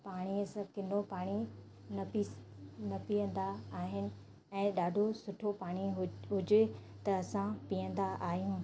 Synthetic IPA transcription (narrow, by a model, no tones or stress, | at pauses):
paːɽ̃iəsɐ̃kɪn̤opaːɽ̃i | nɐpinɐpijə̃nd̪aːɦɪnɪ̆ | ɛ̃ːɗaːɖʱosʊʈʰopaːɽ̃iɦɦʊd͡ʑɪ | t̪ɐɐsãpiə̃nd̪aʔaːɦijũː